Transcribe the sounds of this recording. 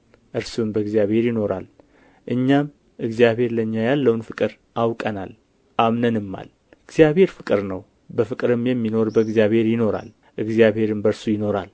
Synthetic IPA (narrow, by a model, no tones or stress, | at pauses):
ʔɨɾsumbəɨɡzjaβhe̞ɾjɪno̞ɾa̰l | ʔɨɲːam | ʔɨɡzjaβhe̞ɾləɲːajalːəwnfɨkʼɨɾ | ʔawkʼənal | ʔamnənɨmːa̰l | ɨɡzijaβhe̞ɾfɨkʼɨɾnəw | bəfɨkʼɨɾɨmjɛmːino̞ɾbəɨɡzjaβhe̞ɾjɪno̞ɾa̰l | ʔɨɡzjaβhe̞ɾɨmbəɾsujɪno̞ɾal